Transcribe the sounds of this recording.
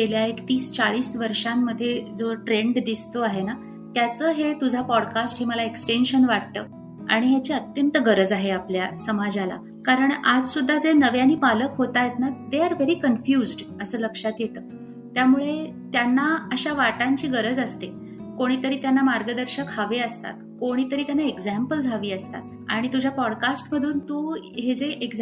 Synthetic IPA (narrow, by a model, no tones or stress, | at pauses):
keljaekt̪iːst͡saɭiːsʋəɾʂamːəd̪ʱːjed͡zoʈɾeɳɖd̪ist̪oaɦena | t̪jat͡səːɦet̪ud͡zʱapɔɽkasʈɦiməlaeksʈenɕənʋaɽ̚t̪ə̰ː | a̰ɽ̃iɦjat͡ɕeət̪jənt̪əɡəɾəd͡zaɦeapljasəmad͡ʑala̰ | kaɾəɳad͡zsud̪ʱːad͡zenəʋjaniːpaləkɦot̪ajet̪nad̪eaɾʋeɾiːkənfjuːzɖ | əsəːləkʂat̪jet̪əː | t̪jamuɭe | t̪janːaəɕaʋaʈaɲt͡ɕiːɡəɾəd͡zəst̪e | koɽ̃iːt̪əɾiːt̪janːamaɾɡəd̪əɾɕəkhaʋeəst̪a̰t̪koɽ̃iːt̪əɾiːt̪janːaeɡd͡zæmpəld͡zʱaʋiːəst̪a̰t̪̚ | a̰ɽ̃it̪ud͡ʑʱjapɔɽkasʈməd̪ʱuːnt̪uːɦed͡zeʔeɡ